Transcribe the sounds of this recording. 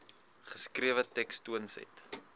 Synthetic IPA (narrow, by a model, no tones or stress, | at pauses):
χə̥skriəvətɛkstuənsɛ̰jt